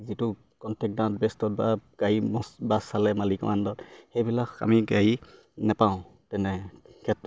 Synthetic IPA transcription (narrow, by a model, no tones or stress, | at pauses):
zitʊ | kɔntʰɛk̚dãt̚bɛstɔt̚baɡ̥aimɔsbasalɛmalikɔ̰mandɔtxejbilaka̰miɡaɹi | napaʊ̃ | tɛnɛkʰɛtː